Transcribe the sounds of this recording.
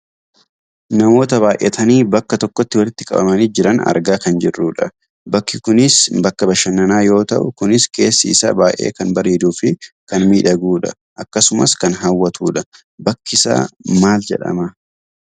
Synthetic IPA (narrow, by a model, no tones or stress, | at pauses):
nɐmo̞ːt̪ɐβaːjʔḛːt̪ʰɐniːbɐkːɐt̪ɔkːɔt̪ːɪwɐlɪt̪ːɪkʼɐ̰bɐ̰mɐniːd͡ʒɪɾɐnɐ̰ɾɡaːkɐnd͡ʒɪrːuːᶑɐ | bɐkːɪkʊnɪsbɐkːɐbɐʃɐnːɐnaːjo̞ːt̪ɐʔʊkʊnɪske̞ːsːiːsa̰ːbaːʔḛːkɐnbɐɾeːd̪uːfɪkɐnmiːᶑɐɡuːᶑɐ | ʔɐkːɐsʊmɐskɐnɦɐwːɐt̪ʰuːᶑɐ | bɐkːɪsa̰ːmaːld͡ʒɛ̰ᶑɐ̰mɐ